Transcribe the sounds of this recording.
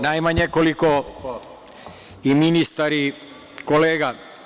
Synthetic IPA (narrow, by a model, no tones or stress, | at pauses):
najmaɲekoliko | iminist̪aɾi | koleːɡa